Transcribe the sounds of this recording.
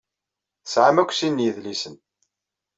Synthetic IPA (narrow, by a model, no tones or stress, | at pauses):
θəsʕamækʷːsinːjəðlisən